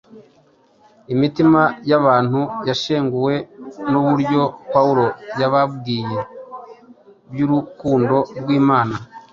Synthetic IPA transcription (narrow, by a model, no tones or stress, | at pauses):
imitimajaβaːn̥hujaʃeːŋɡuwe̞nuβuɾɟo̞pauɾo̞jaβab̚ɡiːje̞ | bjuɾukuːndo̞ɾɡwiːmaːna